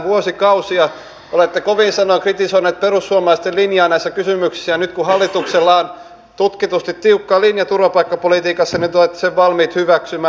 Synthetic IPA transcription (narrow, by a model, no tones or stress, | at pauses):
ʋuosikɑusiɑ | olet̪ːekoʋiːnsɑnoiŋkrit̪isoineːt̪̚perusːuɑmɑlɑˑist̪elinjɑːnæisːækysymyksi̥sːæjɑnyt̪kuhɑlːit̪ukselːɑon | t̪ut̪kit̪ust̪it̪t̪iukːɑːlinjɑt̪urʋɑpɑikːɑpolit̪iːkɑsːɑnit̪olet̪ːe̥seʋʋɑlmiːt̪hyʋæksymæː